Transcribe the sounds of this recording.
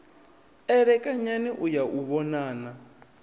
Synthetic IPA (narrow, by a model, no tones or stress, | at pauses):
ɛɾɛkʼaɲaniʔujaʔuβɔnaːna